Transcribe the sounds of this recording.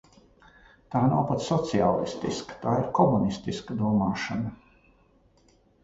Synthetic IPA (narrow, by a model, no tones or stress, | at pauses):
t̪aːnawpat̪ssɔt̪siaːlˠḭst̪ḭskɐ̥t̪aːiɾkɔmunist̪iskɐd̪uɔmaːʃanɐ